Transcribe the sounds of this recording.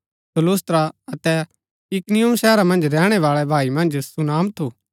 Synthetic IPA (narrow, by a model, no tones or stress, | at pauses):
səloːst̪ɾaɐt̪ɛ | ɪknɪjʊmʃɛːɾamɐ̃nd͡ʒɾɛːɽ̃ɛʋaːɭɛbʱaːimɐ̃nd͡ʒsʊnaːmt̪ʰoː